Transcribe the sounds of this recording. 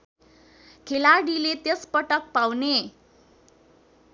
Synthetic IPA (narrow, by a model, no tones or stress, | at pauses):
kʰelarɽilet̪jespʌʈʌk̚pawne